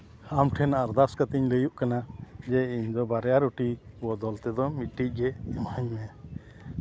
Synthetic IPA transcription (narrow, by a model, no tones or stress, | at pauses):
amʈʰɛnaɾd̪askat̪iɲləjuʔkanad͡ʒɛiɲd̪ɔbaɾɛjaɾuʈibɔd̪ɔlt̪ɛd̪ɔmiʈːic̚ˀɡɛɛmhaɲmɛ